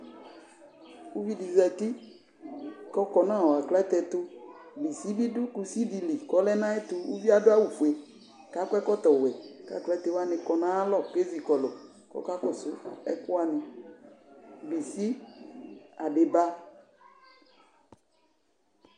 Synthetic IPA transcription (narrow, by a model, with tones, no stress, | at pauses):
wu˦vi˦di˨zɛ˨t̪i˦ | kɔ˦kɔ˨nã˦ɔ˨a˨klɛ˦t̪ɛ˨t̪ʊ˦bi˨si˦bi˦dʊ˦ku˨si˦di˨li˨kɔ˦lɛ˦nã˦e˦t̪ʊ˦wṵ˦vi˦a˦dʊ˦a˦wu˨fu˨e˨ | ka˦kʷɛ˦kɔ˦t̪ɔ˨wɛ˨ka̰˨klɛ˦t̪ɛ˨wa˦nɪ̃˨kɔ˨nã˦a˦lɔ˦˨ke˦zi˨kɔ˨lɔ˨ | kɔ̰˦ka˦kɔ˨sʊ˦ɛ̰˦kʊ˦a˦nɪ˨ | bi˨si˦ | a˨ɖe˨ba˦